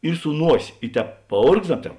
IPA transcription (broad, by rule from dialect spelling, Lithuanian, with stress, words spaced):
ɪr sʊ ˈnuɔsʲeː ɪ ˈtʲɛːp pɐˈoːrɡzdɐms ˈtʲɛːp